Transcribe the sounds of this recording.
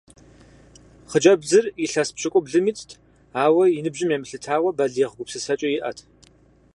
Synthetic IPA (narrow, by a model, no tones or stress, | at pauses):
χəd͡ʒʼɐbzɨriɬɐspɕɨkʷʼʊbɮɨmitʼtʰ | aːwɐjinɨbʒɪmjeːmɬɨtʰaːwɐbɐɮjeʁəɡʷʊpsɨsɐt͡ʃʼɐjɪʔɐ̰tʰ